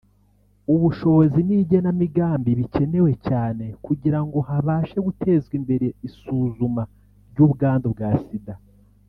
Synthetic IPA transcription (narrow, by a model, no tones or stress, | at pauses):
uβuʃo̞βo̞ziniːɟe̞namiɡaːmbiβice̞ne̞we̞caːne̞kuɟiɾaŋɡo̞haβaːʃe̞ɡutʰe̞ːzɡwimbe̞ɾe̞isuːzuma | ɾɟuːβuɡaːndobɡaːsida